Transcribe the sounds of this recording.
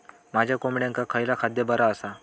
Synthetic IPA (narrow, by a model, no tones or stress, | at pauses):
mad͡ʑʱjakomiɽjãŋkakʰəjlakʰad̪jəbəɾaəsa